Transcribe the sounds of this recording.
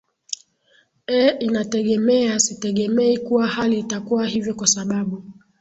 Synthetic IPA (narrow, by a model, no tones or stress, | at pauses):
ɛinatɛɠɛmɛasitɛɠɛmɛikuwahaliːtakuwaɦivjɔkwasaɓaɓu